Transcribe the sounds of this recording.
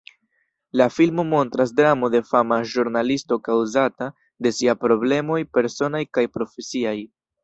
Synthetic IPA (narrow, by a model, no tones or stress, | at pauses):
lafilmo̞mo̞ntɾas̬dɾamo̞de̞famaʒuɾnalisto̞kawzata | de̞siapɾo̞ble̞mo̞jpe̞ɾso̞najkajpɾo̞fe̞siaj